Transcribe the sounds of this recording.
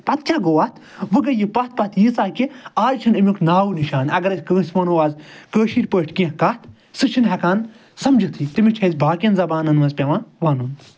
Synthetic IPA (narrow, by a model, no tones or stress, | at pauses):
pɐt̪t͡ʃʲʰãːɡoːaːt̪ʰ | ʋɨɡɐjipɐt̪̚ʰpɐt̪ʰjiːsaːkiaːd͡ʒt͡ʃʰɐnimʲuknaːwuniʃaːnɐɡɐɾɐsʲkəːsʲʋɐːnoːʋaːzkəːʃiːɾʲpəːʈʰkẽkɐt̪ | sɨt͡ʃʰinɦɛkaːn | sɐmd͡ʒɨt̪ʰiːt̪imʲit͡ʃʰɐzʲbʱaːkʲjɐnzɐbaːnɐnʋɐzʲpʲɐʋãːnʋaːnun